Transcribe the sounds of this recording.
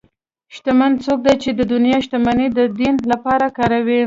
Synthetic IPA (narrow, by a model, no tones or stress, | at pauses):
ʃt̪amant͡sok̚d̪ajt͡ʃed̪əd̪ʊnjɑʃt̪amaned̪əd̪inlapɑɾakɑɾawi